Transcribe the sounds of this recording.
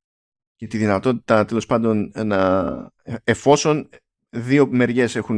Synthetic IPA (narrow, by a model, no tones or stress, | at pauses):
cet̪iðinɐt̪o̞t̪i̥t̪ɐt̪e̞lo̞spɐnd̪o̞nnɐ | efo̞so̞n | ðio̞me̞ɾʝe̞se̞xun